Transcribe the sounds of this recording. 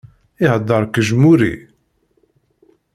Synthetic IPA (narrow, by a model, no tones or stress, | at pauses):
ɪhəd̪ːəɾˤkəʒmuɾḭ